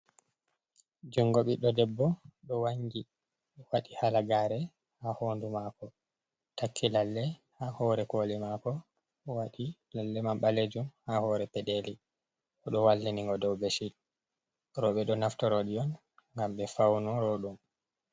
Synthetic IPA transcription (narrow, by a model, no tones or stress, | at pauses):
d͡ʒuŋɡoɓiɗɔdɛbːɔɗɔwaŋɡi | waɗihalaɡaɾɛ | hahondumakɔ | takʰːilalːɛhahɔɾɛkolimakɔ | waɗilalːɛmamɓaled͡ʒumhahɔɾɛpɛɗeli | ʔɔɗɔwalːiniŋɡɔdɔwbesiɗ | ɾɔɓɛɗɔnaftɔɾoɗiɔn | ŋɡamɓɛfawnuɾɔɗum